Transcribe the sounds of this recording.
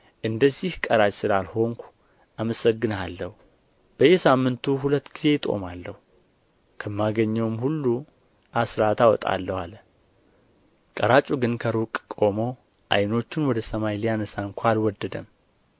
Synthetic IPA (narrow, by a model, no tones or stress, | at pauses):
ʔɨnd̪əzːihkʼəɾat͡ʃʼsɨlalho̞ŋkʷu̥ | ʔaməsəɡːɨnalːəhu | b̥əjesamːɨnt̪ʰuɦulət̪ːɡ̥ize̞t̪ʼo̞̰malːəhu | kʰəmːaɡəɲːɛwmhulːu | ʔasɾat̪ʰawɔt̪ʼa̰lːəwal | kʼəɾat͡ʃʼuɡɨnkʰəɾukʼkʼo̞mo̞ | ʔa̰jno̞t͡ʃːɪnwɔd̪əsəmajlijanəsaŋkʷʰalwɔd̪ːəd̪əm